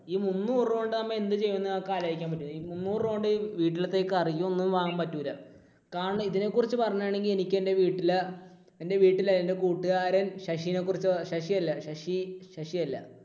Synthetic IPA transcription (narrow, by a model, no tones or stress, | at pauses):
iːmunːuːroɳɖɨnɐmːeend̪ɨt͡ɕe̞jːunːɐkaːlajikʲːaːmpɐt̬ːumːiːmunːuːroɳɖɨʋiːʈːilɐt̪ːe̞ːkːɨɐrijːumo̞nːumʋaːŋampɐtːuːɾɐ | kaːɻɐɳɐmiðine̞kːurit͡ɕːɨpɐrɐɲːaːɳeŋɡile̞nikʲːende̞ʋiːʈːilɐ | ende̞ʋiːʈːilɐðɐnde̞kuːʈːuɣaːɾɐnɕɐʂijinekːurit͡ɕːɨɕɐʂiɐlːɐɕɐʂiɕɐʂijɐlːɐ̰